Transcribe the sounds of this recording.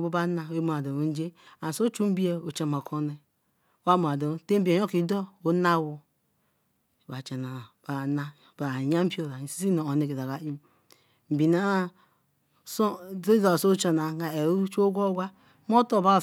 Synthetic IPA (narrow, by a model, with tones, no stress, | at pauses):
bo˦ba˦na˦e˦m˨a˨do˨o˨˦n̩˦d͡ʒe˦a˨so˦t͡ʃu˦m̩˦bi˦e˦o˨t͡ʃa˦˨m˨a˨kʰo˦ne˨˦ | wa˦mo˨a˨do˨˦te˦m̩˦bi˦˨e˨˦o˦ki˨˦do˦o˦na˦˨wu˦˨ | ba˨t͡ʃa˨na˨ba˨na˦ | ba˨ɲa˦m̩˦po˦ɾa˨si̥˦si˦no˨o˨ne˨ke˨za˨ɡa˨i˦ | m̩˨bi˨na˦ | so˦dza˨so˦t͡ʃo˨na˨ɡa˨e˨ɾu˦t͡ʃu˦o˦ɡʷo˦ɡʷa˦ | m˦o˦to˦˨ba˦˨